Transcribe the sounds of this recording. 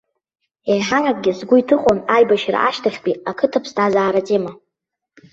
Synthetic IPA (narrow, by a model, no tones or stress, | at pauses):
ejħarakʼɡʲɪsɡʷʊitʰɨχʼonajbaʃra̰ʔaʃtʰaχʲpʼiakʰɨtʰapʰsdazaːɾat͡sʼema